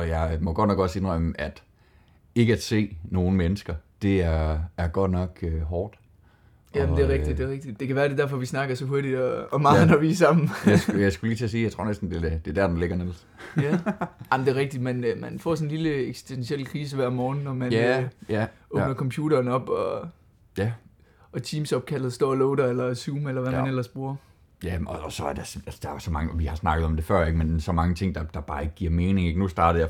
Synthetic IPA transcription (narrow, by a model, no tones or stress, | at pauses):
ɒ̽jɑ̈ɪmɒ̽ɡ̥ɒ̽d̥nɒ̽ɡ̥ɒ̽se̝nʁœməʔæd̥ | e̝ɡ̥əæd̥se̝̰ːno̝ːn̩menəsɡ̥ɐd̥e̝æɐæɐɡ̥ɒ̽d̥nɒ̽ɡ̥øɦɒːd̥ | jæmd̥e̝ɐʁɛɡ̥d̥id̥d̥e̝ʁɛɡ̥̚d̥id̥d̥e̝kæʋæːɐɾ̥e̝d̥æɐ̰fɒ̽ʋisnɑ̈ɡ̥ɐsɒ̽ɦo̝ɐɾid̥ɒ̽ːmɑ̈ːð̩ˠnɒʋiːsɑ̈m̰n̩jɑsɡjɑ̈ɪsɡ̥uliːt͡sʰe̝s̬iːjɑ̈t͡sʰʁo̝̰nesd̥n̩d̥e̝d̥e̝ɐd̥æɐd̥enle̝ɡ̥ɐnel̰s | jæɑmnd̥e̝ːʁɛɡ̥̚d̥id̥mænmænfɒ̰ːsɔ̽n̩liləeɡ̥si̥sd̥ensiel̰kʰʁiːs̬əʋæɐ̰mɒːn̩ːɒmænæɔ̽bnɐkʰɒ̽mpʰjṵːɾɐːnɒ̽b̥ɒ̽ | jæ | ɒ̽t͡sʰiːmsɒ̽b̥̚kʰælð̩ˠsd̥ɒ̰ːlɔʊɾɐelɐsuːmelɐʋæænel̰ɐsb̥uɐ | jæɒsɒ̽æɐd̥esælsd̥ɑ̈ɐjsɒ̽mɑ̈ŋəʋihɑ̈snɑ̈ɡ̥əð̩ˠɒ̽md̥e̝fɶɐ̰eɡ̥mensɒ̽mɑ̈ŋət͡sʰe̝ŋ̰d̥ɑ̈d̥ɑ̈b̥ɑ̈ːe̝ɡ̥əɡ̥iɐ̰meːne̝ŋeɡ̥nusd̥ɑ̈ːɾ̥ɐjɑ̈